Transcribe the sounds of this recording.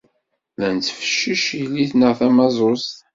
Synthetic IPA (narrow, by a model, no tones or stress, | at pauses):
lænt͡sːfə̥ʃːiʃijliθnəʁθæmɑzˤost̪